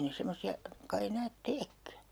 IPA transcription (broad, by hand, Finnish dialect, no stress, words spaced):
ne semːosiɑ kɑi enæːt teːkːæ